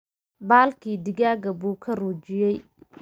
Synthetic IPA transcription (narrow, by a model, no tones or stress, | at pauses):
baːlkʰiːd̪ɪɡaːɡɐbuːkʰɐruːd͡ʒɪjɛj